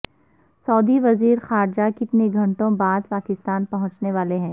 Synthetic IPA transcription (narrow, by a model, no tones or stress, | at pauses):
sɔːd̪iʋɐziːɾxaːɾd͡ʒakɪt̪neɡʱɐ̃ɳʈõbaːd̪̚paːkɪst̪aːnpɐɦʊ̃t͡ʃneʋaːleɦɛ̃ː